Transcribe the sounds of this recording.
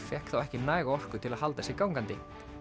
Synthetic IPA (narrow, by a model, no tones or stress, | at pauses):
fjɛhkθawɛhcɪnaːjɣaɔr̥kʏt̪ʰɪlaðhɦalaðɛsɪkaːwŋkant̪ɪ